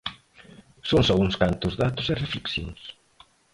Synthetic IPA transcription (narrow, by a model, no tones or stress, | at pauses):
soŋsɔuŋskant̪ʊzðat̪ʊserefleksjõ̰ŋs